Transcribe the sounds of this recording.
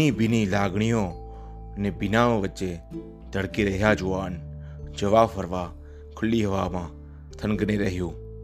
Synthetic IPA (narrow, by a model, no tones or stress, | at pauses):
ĩːbɪniːlaːɡɳ̃ɪjõː | nẽːbɪnãːʋət͡ʃeː | d̪ʱəɽkiːɾɐɦɪjaːd͡ʒʊaːn | d͡ʒəʋaːfəɾʋaː | kʰʊliːɦəʋaːmãː | t̪ʰənɡneːɾɐɦɪjõː